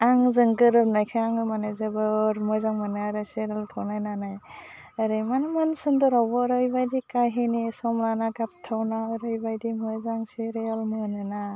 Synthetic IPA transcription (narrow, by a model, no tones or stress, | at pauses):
aŋzɯŋɡɯɾɯnajkʰɯaŋmanazebɯɾmɔjzaŋmanaaɾɯseɾeltʰawnajnanaj | aɾɯmanmansɯndɔɾawbɔɾɯjbajdikajɦinisɔmlanaɡap̚tʰawnaɾɯjbajdimɔjzaŋseɾealmɔnɯna